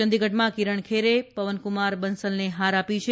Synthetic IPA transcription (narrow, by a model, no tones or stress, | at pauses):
ənd̪iɡʱəʈmãkiɾəɳkʰeɾepəʋənkʊmaɾbənsəlneɦaɾapit͡ʃʰe